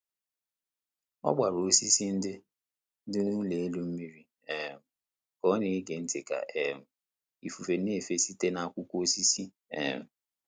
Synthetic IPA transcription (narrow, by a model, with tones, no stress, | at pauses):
ɔ̰˦ɡ͡ba˨ɾo˦si˦si˦n̩˦dɪ˦ | dʊ˦nu˦le˨e˦lu˦m̩˦mi˦ɾi˦ | e˨m̩˨ | kɔ˦nɪ˨˦ɡe˨n̩˦tɪ˨ka̰˨ʔe˨m̩˨ | i˨fu˨fe˨n˦e˦˨fe˦si˦te˦na˦a˨kʷʊ˦kʷo˦si˦si˦ | ḛ˨m̩˨